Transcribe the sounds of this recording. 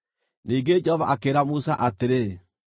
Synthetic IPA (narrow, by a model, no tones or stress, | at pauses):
niːŋɡed͡ʒɛhɔva̰ʔakeɾamusa̰ʔateɾe